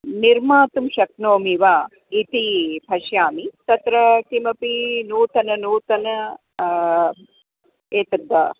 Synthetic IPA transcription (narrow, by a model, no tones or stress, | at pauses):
niɾmaːt̪umʃɐk̚noːmiʋaː | it̪ipʰɐʃjaːmit̪ɐt̪ɾɐkimɐpinuːt̪ɐnɐnuːt̪ɐnɐ | eːt̪ɐd̪ːa̰ː